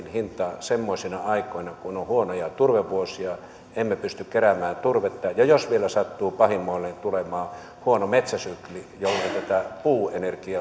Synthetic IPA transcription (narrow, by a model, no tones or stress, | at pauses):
nhint̪ˑɑsemːoisinɑɑikoˑinɑkunohuonojɑt̪urʋeʋʋuosijɑ | emːepyst̪ykkeɾæmæːnt̪urʋet̪ːɑjɑjosʋielæsɑt̪ːuːpɑhimːˑoˑilːent̪ulemɑː | huonomet̪sæsyklijolːeit̪æt̪æpuːenerkiɑ